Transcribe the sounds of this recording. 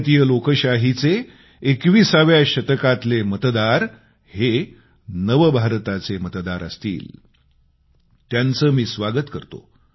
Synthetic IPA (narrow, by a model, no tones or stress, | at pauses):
t̪ijəlokəɕaɦit͡seː | kʋiːsaʋjaɕət̪əkat̪lemət̪d̪aɾ | he | nəʋəbʱaɾt̪at͡semət̪d̪aɾə̰st̪ḭːl | t̪jant͡səːmiːsʋaɡət̪kəɾt̪o̰